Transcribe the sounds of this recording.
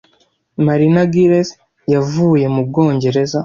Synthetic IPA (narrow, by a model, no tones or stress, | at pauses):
maɾinaɡiɾes | javuːje̞mub̚ɡo̞ːɲɟe̞ɾe̞za